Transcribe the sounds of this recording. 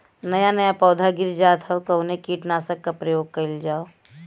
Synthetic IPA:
nɐjanɐjapɔːd̪ʱaɡɪɾd͡ʒaːt̪ʰɐokɐʊnekiːʈnaːsəkːapɾɐjoːɡ̚kɐɪld͡ʒaːo

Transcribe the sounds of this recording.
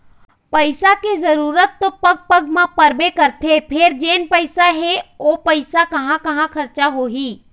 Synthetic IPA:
pɐɪsakezɐɾuːɾət̪ːopɐɡ̚pɐɡmãpɐɾbekɐɾt̪ʰepʰeɾd͡ʒeːnpəɪsaɦɛopɐɪsakɐɦãkɐɦãkʰɐɾt͡ʃaɦoɦiː

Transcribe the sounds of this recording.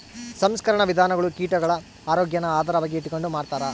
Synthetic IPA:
sɐmskɐɾɐɳɐʋid̪ʱaːnɐɡɐɭukiːʈɐɡɐɭɐ | aːɾoːɡjɐnɐaːd̪ʱɐɾɐʋaːɡiːʈːuko̞ɳɖumaːɖt̪aːɾɐ

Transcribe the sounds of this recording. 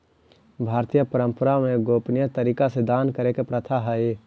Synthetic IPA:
bʱaːɾt̪ijəpəɾə̃mpəɾamẽɡoːpnjət̪əɾiːkased̪aːnkəɾekepɾət̪ʰaɦəe

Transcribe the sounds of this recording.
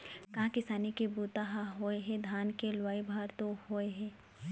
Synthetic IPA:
kɐɦãkɪsaːnikebuːt̪aɦaɦoeɦɛ̃d̪ʱaːnkelwaːibʱaːɾt̪ohoːeɦɛ̃ː

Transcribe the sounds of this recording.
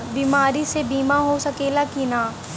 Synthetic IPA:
biːmaːɾisebiːmaɦosɐkeːlakinaː

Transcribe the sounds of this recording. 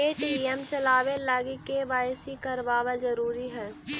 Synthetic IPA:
eːʈiɛmt͡ʃəlaːʋelaːɡikeʋaːɪsikəɾʋaːʋazəɾuːɾiɦɛː

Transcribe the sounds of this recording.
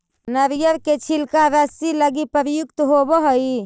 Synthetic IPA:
nəɾijəɾket͡ʃʰilkaɾəsiləɡipəɾjukt̪ɦobəɦəi

